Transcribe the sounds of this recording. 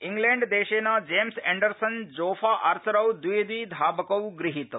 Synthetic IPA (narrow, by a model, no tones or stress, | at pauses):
iŋɡleːɳɖd̪eːʃeːnɐd͡ʒeːmseɳɖɐɾsɐnd͡ʒoːfʰaːʔɐɾsɐɾɐwd̪ujd̪ʋiːd̪ʱaːbɐkɐwɡɾiɦit̪